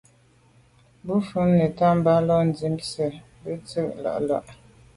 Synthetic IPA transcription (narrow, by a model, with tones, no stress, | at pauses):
bu˦fu˦nnə˨ta˦m̩˦ba˦lɔ˦n˨d͡zi˨˦msə˨ | bə˦t͡sə˦ʔ̚la̰˨ʔla̰˦˨ʔ